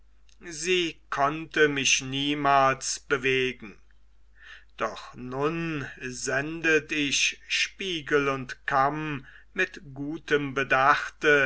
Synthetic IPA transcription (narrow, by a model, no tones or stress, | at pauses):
ziːkʰɔntəmɪʃniːmaːlsb̥əveːɡŋ̩ | d̥ɔχnʊnzɛndətɪçʃpiːɡəlʊntkʰamː | ɪtɡ̥uːtəmbədaχtə